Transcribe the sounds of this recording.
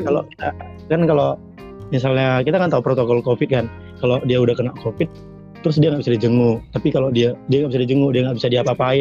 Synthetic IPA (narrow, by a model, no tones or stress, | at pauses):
kaloki̥t̪a | kankalo | misalɲakit̪akant̪aupɾot̪okɔlkofɪt̪̚kan | kalodiaudahkənaʔkʰofɪt̪̚ː | ɾʊs̬diaŋɡaʔbisadid͡ʒəŋʊt̪apikalodiadiaŋɡaʔbisadid͡ʒəŋʊdiaŋɡaʔbisadiapapaɪ